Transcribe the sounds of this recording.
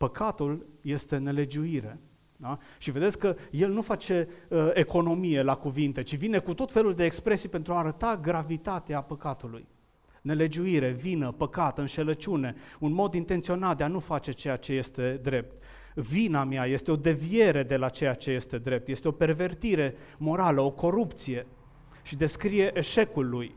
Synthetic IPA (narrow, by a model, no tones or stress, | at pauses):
pəkat̪ulje̞st̪e̞ne̞le̞d͡ʒuiɾe̞ | aʃive̞d̪esʲkːəje̞lnufat͡ʃe̞əeko̞no̞mije̞lakuvint̪e̞t͡ʃivine̞kut̪o̞t̪fe̞luld̪e̞ːkspɾe̞sijpe̞nt̪ɾuaːɾət̪aɡɾavit̪at̪eapəkat̪ulṵj | ne̞le̞d͡ʒuiɾe̞vinəpəkat̪ɨnʃe̞lət͡ʃune̞unmo̞d̪int̪ent̪sio̞nat̪̚d̪eanufat͡ʃe̞t͡ʃe̞jat͡ʃe̞je̞st̪e̞d̪ɾe̞p̚t̪ | vinamjaje̞st̪e̞o̞d̪e̞vije̞ɾe̞d̪e̞lat͡ʃe̞jat͡ʃe̞je̞st̪e̞d̪ɾe̞p̚t̪je̞st̪eo̞pe̞rve̞rt̪iɾe̞ | mo̞ɾaləo̞ko̞ɾupt̪sije̞ | ʃid̪e̞skɾije̞ʔeʃe̞kulːuj